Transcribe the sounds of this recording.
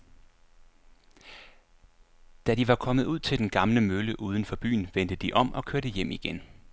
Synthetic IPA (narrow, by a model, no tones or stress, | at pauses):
d̥æd̥iʋɑ̈kʰɒ̽məð̞ˠuð̞̰ˠt͡sʰe̝ld̥enɡ̥ɑ̈mləmøləʔuːð̞ˠən̩fɒ̽b̥y̰ːn̩ʋend̥əd̥iʔɒ̽m̰ʔɒ̽kʰøɐɾ̥əjem̰iɡ̥en